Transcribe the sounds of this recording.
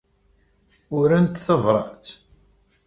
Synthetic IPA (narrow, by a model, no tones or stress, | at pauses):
ʊɾənt̪θəvɾˤɑ̰ħt͡s̪